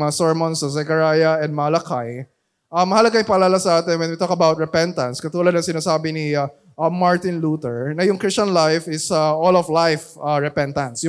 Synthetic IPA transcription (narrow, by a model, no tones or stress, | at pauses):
ɐsoɹmonsɐzɛkɐɹajɐɛnd̪̚malɐkʰaj | ʔɐmːɐhaːlɐɡɐjɪŋpɐʔɐlalasɐʔaːt̪ɛnwɛnwɪt̪okɐbawt̪̚ɹɛpɛ̃nt̪ɐnskɐt̪uːlɐd̪nɐŋsɪnaːsaːbɪnɪ | ʔɐmaɹt̪ɪnlut̪ɛɹnɐjʊŋkɹist͡ʃɐnlajfɪsɐʔolɔflajfɐɹɛpɛnt̪ɐnsjʊ